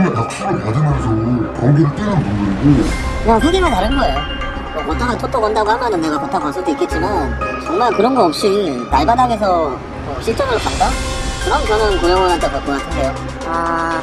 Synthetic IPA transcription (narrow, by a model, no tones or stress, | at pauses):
najok̚ɕ͈iɡaned͡ʑʌmɦaɡud͡ʑʰʌŋɯkoɡidot͈aɾanbomind͡ʑikɯɲaŋɸʰeɡimataɾɯnɡʌe̞jo | momot͈ʰanatʰotʰokʌndaɡohamjʌnɯnːe̞ɡapatʰakansʰodoik͈e̞t̚t͡ɕ͈imant͡ɕʌŋmaɭkɯɾʌnɡʌʌp̚ɕ͈inaɭbadaɡes̬ʰʌ | oɕʰiɭt͡ɕ͈ʰonɯɭɾok͈at̚t͈akɯɾʌnkʌnjʌnkojʌŋwʌnant͈ʰekaɭk͈ok͈as͈ʰɯndʰejo | a